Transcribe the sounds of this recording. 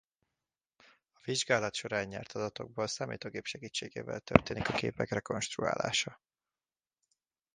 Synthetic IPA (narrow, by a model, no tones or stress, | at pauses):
ɒviʒɡaːlɒt̪ʃo̞ɾaːɲːɛ̰rt̪ɒd̪ɒt̪o̞ɡ̚boːlsaːmḭːt̪oːɡeːpʃɛɡiːt͡ʃːeːɡeːvɛ̰lt̪ø̰rt̪eːnikɒkeːpɛkrɛko̞nʃt̪rua̰ːla̰ːʃɒ